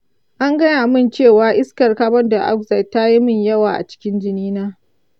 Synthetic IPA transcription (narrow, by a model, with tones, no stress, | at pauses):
ʔa˦ŋɡɐ˦n˦˨ʔa˨mɪ˦˨nt͡ʃeː˦˨waː˦ʔɪ˦skɐ˨rkaː˦bɔ˦nda˨ʔa̰˦k̚za˨tːa˦ji˦mɪ˦˨ɲjɐ˦waː˨ʔa̰˨t͡ʃɪ̥˦kʲɪ˦nd͡ʒɪ˦niː˦naː˦